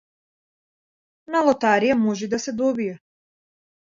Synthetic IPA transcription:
nalˠɔt̪aɾijamɔʒɛd̪asɛd̪ɔbiɛ

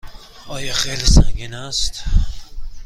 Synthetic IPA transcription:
ɒːjɒxejlisæŋɡiːnæst̪

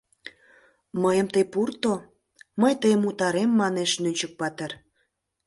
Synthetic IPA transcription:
məjəmt̪əjpurt̪o | məjt̪əjəmut̪ɑɾemːɑneʃnynʲt͡ɕək̚pɑt̪er

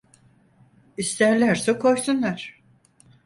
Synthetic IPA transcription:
ist̪ʰæɾlʲæɾsɛkʰo̞jsunlˠaɾ̥

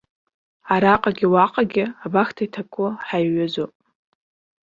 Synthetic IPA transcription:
aɾaqʼaɡʲɪwaqʼaɡʲɪabaxtʰaitʰakʷʰʼʊħajɥazopʼ

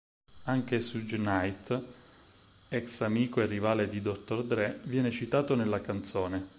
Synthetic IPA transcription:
aŋk̟esud͡ʒnajt̪ | ɛksamiːkoerːivaːled̪id̪ot̪ːord̪ɾɛvjɛːnet͡ʃit̪aːt̪onelːakant̪soːne

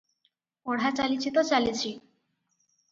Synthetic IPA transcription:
oɽɦat͡ɕalit͡ɕʰit̪ot͡ɕalit͡ɕʰi

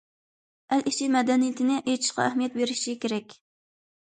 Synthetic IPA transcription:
ælʔit͡ʃʰimɛd̪ɛnijɪt̪ʰɪnɪʔejt͡ʃʰi̥ʃqɑ̰æhmijɛt̪beɾɪʃikʲʰeɾɛkʲ

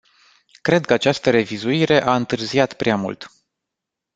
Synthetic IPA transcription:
kɾe̞d̪̚kəat͡ʃast̪əɾe̞vizuiɾe̞ʔaɨnt̪ɨrziat̪pɾeamṵlt̪

